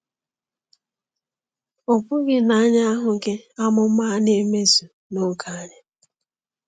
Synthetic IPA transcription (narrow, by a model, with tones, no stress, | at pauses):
o˨pʊ˦ɡɪ˨na˨a˦ɲa˦a˦ɦʊ˨ke˦a˦mʊ˨m̩˦ma˦ne˦me˦zu˨ | nʊ˦˨kʰa˦a˦ɲɪ˦